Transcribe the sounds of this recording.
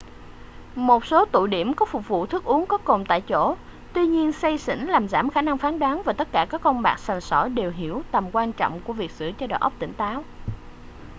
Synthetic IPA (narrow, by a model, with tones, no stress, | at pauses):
mo˨˩t̚so˨˦t̪ṵ˧˨jɗi˧˩əmkɔ˨˦fʊ˨˩k͡p̚vṵ˧˨t̪ʰɨ˦˥k̚ʔu˨˦əŋkɔ˨˦ko˨˩mt̪a̰ː˧˨jt͡ɕo̰˧˩˨ | t̪wi˧ɲi˧ənsə˧jsḭ̈˧˥ŋ̟laː˨˩mzaː˧˩mxaː˧˩na˧ŋfaː˨˦nɗaː˨˦nvaː˨˩t̪ə˦˥t̚kaː˧˩kaː˦˥k̚ːɔ˧ŋ͡mɓaː˨˩k̚sə˨˩nsɔ˧˩jɗe˨˩wɦi˧˩əwt̪ə˨˩mkwaː˧nt͡ɕɔ̰˧˨wŋ͡mku˧˩əvi˨˩ək̚z̥ɨ̰˧˩t͡ɕɔ˧ɗa̰ː˨˩ʔə˦˥k͡p̚t̪ï˧˩ŋ̟t̪aː˨˦w